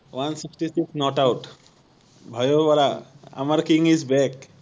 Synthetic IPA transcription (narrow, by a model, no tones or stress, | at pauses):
ʋansiksʈisiksnɔʈawʈ | bʱajoʋaɾaa̰maɾkĩŋizbɛk